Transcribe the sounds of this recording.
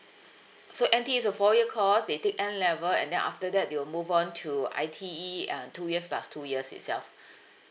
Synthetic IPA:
soʔɛ̃ntiisɔfɔjiəkʰɔsdetek̚ɛ̃nlɛvəlɛ̰̃ndɛ̰̃nʔa̰ftədɛt̚dewilmuvɔ̃ntʰua̰ɪtʰiiãntujiəspastʰujiəsɪ̰tsɛlf

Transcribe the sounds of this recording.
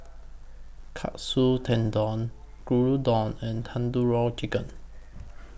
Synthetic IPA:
kʰa̰ʔsutʰɛ̃ndɔ̃n | kɹuɹudɔ̃nɛ̃ntʰãnduɹɔt͡ʃikə̃n

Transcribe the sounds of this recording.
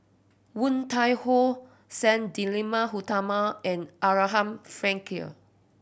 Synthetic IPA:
wũntajho | sɛ̃ndilĩmaɦutamaɛ̃nʔaɹaɦãmfɹɛ̃ŋkiə̰

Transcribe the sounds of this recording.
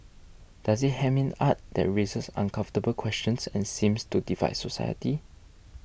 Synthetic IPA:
d̥asit̚hɛvĩnat̚d̥ɛ̰t̚ɹesəsã̰nkʰãɱftəbəlkʰwɛst͡ʃə̃nsɛ̃nsĩmstudiva̰ɪtsosa̰ɪjə̰ti

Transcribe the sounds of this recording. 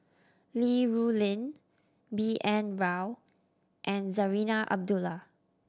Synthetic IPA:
liɹulĩn | biʔɛ̃nɹaw | ʔɛ̃nzəɹinaʔa̰b̚dula

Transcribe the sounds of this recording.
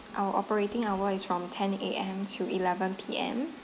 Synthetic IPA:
ʔawəʔɔpəɹetɪ̃ŋawəɪsfɹɔ̃mtʰɛ̃neʔɛ̃mtʰuilɛvə̃npʰiːɛ̰̃m

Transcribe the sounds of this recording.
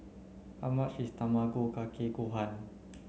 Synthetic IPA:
ʔamaʔsist̪amaɡokakʰeɡoɦan

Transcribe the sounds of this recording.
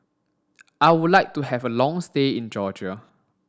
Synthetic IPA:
ʔaɪwudlaɪk̚tuhɛvəlɔ̃ŋsteĩnd͡ʒɔd͡ʒa

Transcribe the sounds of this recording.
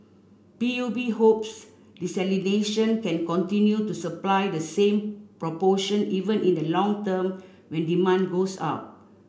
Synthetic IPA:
piubiɦops | disɛlineʃə̃nkɛ̃nkɔ̃ntĩnjutusəplaɪdəsẽmpɹɔpɔʃə̃nivə̃nĩndəlɔ̃ŋtəm | wɛ̃ndimãnɡosa̰ʊt̚

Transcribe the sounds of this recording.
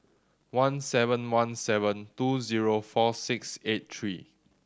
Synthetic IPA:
wãnsɛvə̃nwãnsɛvə̃ntuziɹofɔsɪkset̚tʰɹi

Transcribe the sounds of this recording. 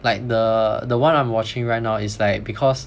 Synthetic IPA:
laɪk̚dədəwãnãɪ̃mwɔt͡ʃɪ̃ŋɹaɪt̚naʊɪslaɪk̚bikʰɔs

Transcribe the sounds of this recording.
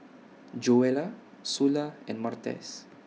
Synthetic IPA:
d͡ʒuela | sulaenmaɾt̪ḛs

